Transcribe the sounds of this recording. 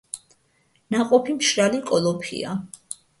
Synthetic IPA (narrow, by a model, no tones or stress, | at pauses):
naqʼɔpʰimʃɾalikʼɔlɔpʰḭa